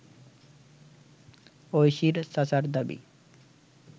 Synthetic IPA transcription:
ojʃiɾsasaɾd̪abḭ

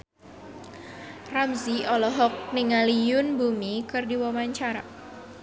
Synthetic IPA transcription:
ramziɔlɔɦɔk̚nɪŋalijʊnbumikɨrdiwɔmaɲt͡ʃaɾa̰

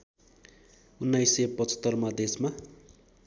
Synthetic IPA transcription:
unːajsʌpʌt͡sʌ̥t̪ːʌrmad̪esma

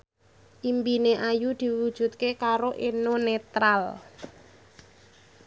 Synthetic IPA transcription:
ʔimpineʔajud̪̥i̤wud̥ʒ̥ṳt̪̚kekaɾoʔenonet̪ɾal

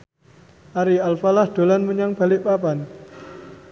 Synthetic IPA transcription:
ʔaɾialfalahd̪̥o̤lanməɲaŋb̥a̤lɪʔpapan

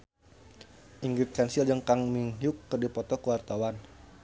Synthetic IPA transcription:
ʔiŋɡɾit̪̚kansild͡ʒəŋkaŋmiŋjʊkːərdipɔt̪ɔkəwart̪awan

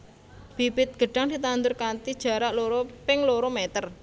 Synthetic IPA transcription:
b̥i̤pɪt̪̚ɡ̥ə̤ɖ̥a̤ŋd̪̥i̤t̪and̪ʊrkant̪id̥ʒ̥a̤ɾaʔloɾopɪŋloɾomɛt̪ər

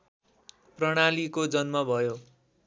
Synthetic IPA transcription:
prʌɽ̃alikod͡zʌnmʌbʱʌjo

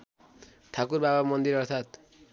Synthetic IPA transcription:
t̪ʰakuɾbabamʌnd̪iɾʌrt̪ʰat̪

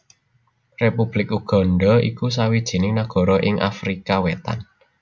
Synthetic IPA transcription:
repub̥lɪkuɡ̥ɔ̤nɖɔḭkus̬awid̥ʒ̥i̤nɪŋnaɡ̥ɔ̤ɾɔʔɪŋʔa̰fɾikawet̪a̰n

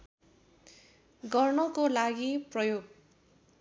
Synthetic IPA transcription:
ɡʌrnʌkolaɡiprʌjoɡ

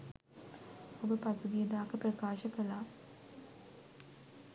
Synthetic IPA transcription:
obəpasuɡ̪ijəd̪aːkəprəkaːʃəkəlaː

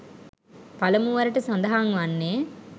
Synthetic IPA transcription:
palɐmuʋaɾɐʈəsand̪ɐɦaŋʋanːeː

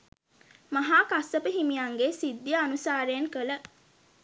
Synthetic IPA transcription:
maɦaːkasːəpəɦimijaŋɡesid̪ːjəːnusaːɾəjeŋkələ

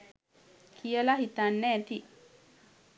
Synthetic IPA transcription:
kʰijəlaɦit̪anːɛt̪i

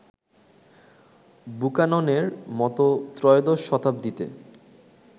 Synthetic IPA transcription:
bukanoneɾmɔt̪ot̪ɾɔjod̪oʃʃɔt̪ap̚d̪it̪ḛ

